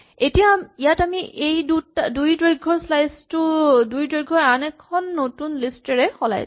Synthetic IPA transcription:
etijaijatamiʔʔejdutadujdɹoɡʱːɔɹslajstʊdujdɹojɡʱɔɹanɛkʰːɔnːotunlistɛɹɛxɔla̰j

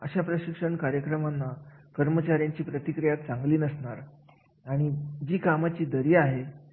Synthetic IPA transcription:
əɕapɾəɕikʂəɳkaɾjəkɾəmanːakəɾmət͡ɕaɾjaɲt͡ɕiːpɾət̪ikɾijat̪̚t͡saŋɡliːnəsɳaɾ | aɽ̃id͡ʑiːkamat͡ɕiːd̪əɾiːaɦe

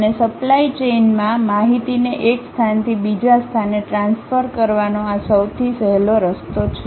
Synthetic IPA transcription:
ənesəplait͡ʃenmãmaɦit̪ineʔekst̪ʰant̪ʰibid͡ʒast̪ʰaneʈɾãnsfəɾkəɾʋanoasəwt̪ʰisəɦeloɾəst̪ot͡ʃʰe

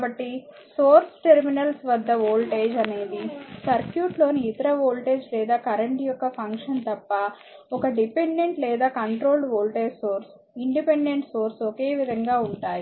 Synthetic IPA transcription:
bɐʈːi | soːɾsʈeɾminɐlsʋɐd̪ːɐʋoːlʈeːd͡ʒɐneːd̪isɐɾkjuːʈlo̞ːniːt̪ɐɾɐʋoːlʈe̞ːd͡ʒlɛːd̪aːkɐɾɐɳʈjɔkːɐpʰɐŋkʂɐnt̪ɐpːɐ | ɔkɐɖipeɳɖe̞ɳʈlɛːd̪aːkɐɳʈɾoːlɖʋoːlʈeːd͡ʒsoːɾs | iɳɖipeɳɖe̞ɳʈso̞ːɾsɔke̞ːʋid̪ʱɐŋɡaːuɳʈaːji

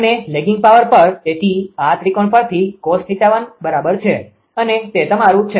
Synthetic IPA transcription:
əneleɡɪ̃ŋɡ̚paʋəɾpəɾt̪eʈ̪iat̪ɾikoɳpəɾt̪ʰikɔsʈ̪ʰit̪aʋanbəɾabəɾt͡ʃʰe | ənet̪et̪əmaɾũt͡ʃʰe

